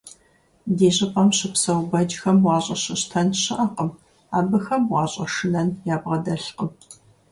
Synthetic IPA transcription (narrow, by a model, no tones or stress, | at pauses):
deːɕʼɪqʼɐmɕɪpsɐwbɐd͡ʒxɐmwɑːɕʼɐɕɪɕtʰɐnɕɨʔɐqəm | aːbɨxɐmwɑːɕʼɐʂɨnɐnjaːbʁɐdɐɬqəm